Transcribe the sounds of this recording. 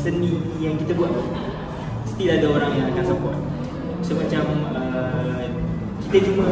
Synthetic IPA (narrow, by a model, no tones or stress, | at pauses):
sənĩ | jaŋkit̪abuat̪̚la | st̪iladaoɾaŋjãakansapɔt̪̚ | səmat͡ʃamə | kit̪ad͡ʒuma